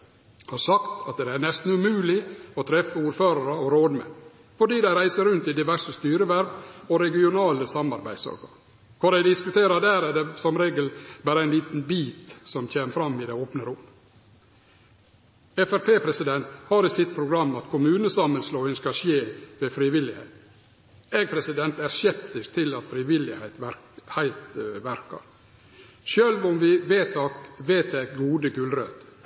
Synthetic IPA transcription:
hɑɾsɑkt̪ɑt̪̚d̪ɛæːnɛst̪n̩ʉmʉːlɪɔt̪ʰɾɛfəuːɾføːɾɑɾəɔɾoːd̪mɛ̰ | fɔɖiːd̪æɪɾæɪsəɾʉnt̪ɪd̪ɪʋæʂəst̪yːɾəʋæɾʋɔɾɛɡɪʊnɑːləsɑmːɑɾbæɪ̥sɑ̰ɡɑ̰ɾ | kʰʊɖæɪd̪ɪskʉt̪ʰeːɾɑd̪æːɾæd̪ɛsɔmɾeːɡəlbæːɾəæɪliːt̪n̩biːt̪sɔmt̪ʰeːməfɾɑmːɪd̪ɛoːpnəɾʊm | ɛfæɾpʰeːpʰɾɛsɪd̪ɛnt̪hɑɾɪsɪt̪̚pʰɾʊɡɾɑmːɑt̪kʰʊmʉːnəsɑməlsloːɪnskɑʂjeːʋɛfɾiʋɪlːɪhɛ̰ɪt̪ | ɛɡ̚pʰɾɛsɪd̪ɛnt̪æɾsjɛpt̪ɪst̪ʰːɪlɑt̪fɾɪʋɪlːɪheɪt̪ʋæɾhæɪlt̪ʋæɾkɑ̰ɾ | ʃøːlʋɔmʋɪʋeːt̪ɑkʋeːt̪̚ɛɡuːd̪əɡʉlɾø̰ːt̪

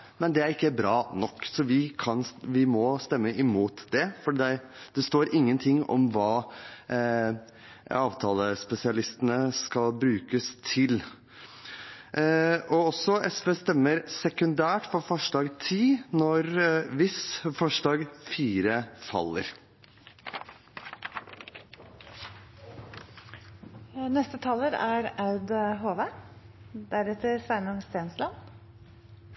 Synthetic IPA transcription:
mɛnd̪ɛæɾɪkːəbɾɑːnɔkːsɔʋɪkʰɑnʋɪmɔst̪ɛmːəʔɪmuːt̪d̪ɛfɔɖd̪ɛ | d̪ɛst̪oːɾɪŋːənt̪ʰɪŋːɔ̰mʋɑː | ɑːʋt̪ʰɑːləspɛsɪɑlɪst̪ənəskɑlbɾʉːkəst̪ʰɪl | ɔɔsːɔʔɛsʋeːst̪ɛmːəɾsɛkʉnd̪æːʈfɔɾfɔʂɖɑːɡt̪ʰiːnɔɾʋɪsfɔʂɖɑːɡfiːɾəfɑ̰lːə̰ɾ | nɛst̪ət̪ʰɑːləɾæɾɑʉd̪ɦoːʋe | d̪̥æɾɛt̪ʰəɾsæɪnʊŋst̪eːnslɑn

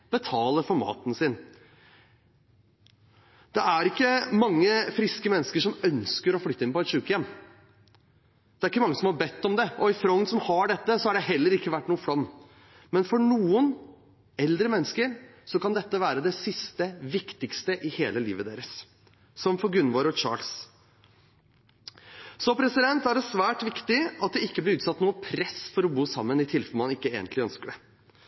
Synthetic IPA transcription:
b̥ət̪ʰɑːləɾfɔɾmɑ̰ːt̪n̩sɪn | d̪̥ɛæɾɪkːəmɑŋːəfɾɪskəmɛnːəskəʂɔmœnskəɾɔflʏt̪ːəɪnpɔɛt̪ʂʉːkəjɛmː | d̪̥ɛæɾɪkːəmɑŋːəsɔmhɑɾbɛt̪ːɔmd̪ɛʔɔɪfɾɔŋnsɔmhɑɖɛt̪ːəsɔhɑɖɛɦɛlːəɾɪkːəʋæʈːnuːfɽɔmː | mɛnfɔɳuːən | ɛld̪ɾəmɛnːəskəɾsɔkɑnd̪ɛt̪ːəʋæːɾəd̪ɛsɪst̪əʋɪkt̪ɪkst̪əʔɪheːləlḭːʋəd̪ḛːɾəsː | ɔmpʰɔɡɾʉnːʋɑːɾəɔt͡ʃɑ̰ːls | sɔpʰɾɛsɪd̪ɛnt̪æɖɛsʋæːʈʋɪkt̪ɪɑt̪̚d̪ɛɪkːəblɪɾʉːt̪sɑt̪ːnuːəpʰɾɛsfɔɾɔbuːsɑmːənɪt̪ʰɪlfœmɑnɪkːəḛːɡənt̪lɪœ̰nskəɖɛ

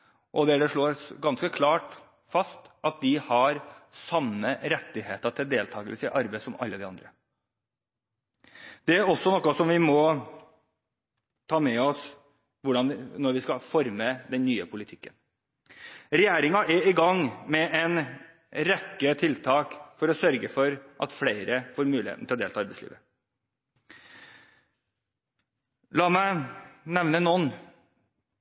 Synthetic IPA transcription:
ʔɔd̪ɛæɖɛʂɭoːɾsɡɑnskəkʰlɑːʈ | fɑst̪ʔɑt̪̚d̪ɪhɑɾsɑmːəɾɛt̪ːɪheːt̪əʈ̪ʰɪld̪eːlt̪ʰɑːɡəlsəʔɑɾbæɪsɔmʔɑ̰lːəd̪ɪɑnd̪ɾə | d̪̥ɛæɾɔsːɔnɔkːəsɔmʋɪmɔ | t̪ʰɑːmɛɔs | ʋʊɖɑnnɔɾʋɪskɑfɔɾməd̪ɛnnːyːəpʰʊlɪt̪ʰɪ̥kːən | ɾɛjæːɾɪŋɑʔæɾɪɡɑŋmɛʔɛn | ɾɛkːət̪ʰɪlt̪ʰɑːkfɔɾɔsœɾɡəfɔɾʔɑ̰t̪fleɪɾəfoːɾmʉːlɪhḛt̪n̩t̪ɪlɔd̪eːlʰɑɑɾbæɪslḭːʋə | lɑːmæɪnɛʋnənɔn

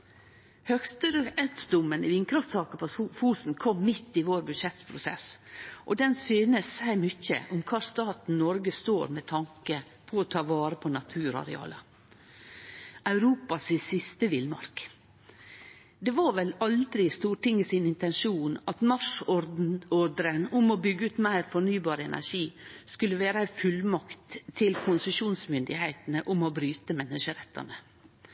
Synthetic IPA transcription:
hœkst̪əɾəɛt̪sd̪ʊmːənɪʋɪŋkɾɑft̪sɑːkəpʰɔfuːsn̩kʰɔmːɪt̪ːɪʋoːɾbʉd̪ʂɛt̪pʰɾʊsɛ̰sʔɔd̪ɛnsyːnəsæɪmʏçə̰ʔʊmkʰɑːst̪ɑːt̪n̩nɔɾɡəst̪oːɾmɛt̪ʰɑŋkə | pʰɔɔt̪ʰɑːʋɑːɾəpʰɔnɑt̪ʰʉːɾɑ̰ɾɛ̰ɑ̰ːlɑ | ɑʉɾuːpɑsɪsɪst̪əʋɪlmɑ̰ɾk | d̪ɛʋɑɾʋɛlɑld̪ɾɪst̪uːʈɪŋːəsɪnɪnt̪ɛnʂuːnɑt̪mɑʂɔɾd̪n̩ɔd̪ɾənʊmɔbʏɡːəʉːt̪mæɪɾfɔɳyːbɑːɾəɛnʔæ̰ʂiːskʉlːəʋeːɾəæɪfʉlmɑkt̪ʰːɪlkʰʊnsəʃuːnsmʏnd̪ɪhæɪt̪nəʔʊmɔbɾyːt̪əmɛnːəʂəɾɛt̪ʰːɑ̰nə

